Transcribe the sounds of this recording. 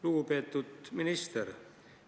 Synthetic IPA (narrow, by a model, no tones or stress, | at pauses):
luːpet̪ːut̪minist̪er